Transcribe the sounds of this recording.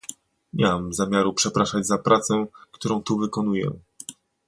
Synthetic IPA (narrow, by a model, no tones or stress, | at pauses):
ɲaamzamʲjaɾupʂɛpɾaʂad͡ʑzapɾat̪sɛkt̪uɾɔ̃w̃t̪uvɘkɔnujɛ̰